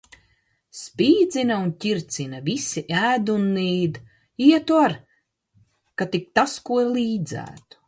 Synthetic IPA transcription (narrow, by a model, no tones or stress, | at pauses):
spiːd̪zinɐuncʲiɾt̪sinɐvisiʔæːd̪unːiːd̪ | iɛt̪uaɾ | kat̪ik̚t̪askuɔliːd̪zæ̰ːt̪u̥